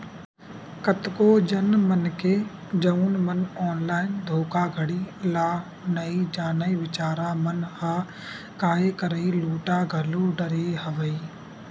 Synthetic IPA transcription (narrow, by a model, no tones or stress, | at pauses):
kət̪koːd͡ʒɐnmənke | d͡ʒɐuːnmənɔːnlaːɪnd̪ʱoːkaːɡʱəɽiːlaː | nɐid͡ʒaːnəiʋɪt͡ʃaːɾaːmənhaː | kaːekəɾəiluːʈaːɡʱəluɖəɾeːɦɐʋəiː